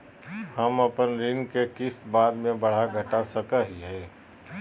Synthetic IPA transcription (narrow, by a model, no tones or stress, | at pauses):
hɐmɐpənɾɪŋkekɪsbaːd̪mẽbɐɽ̤aɡʱɐʈasɐkaɦiɦɛː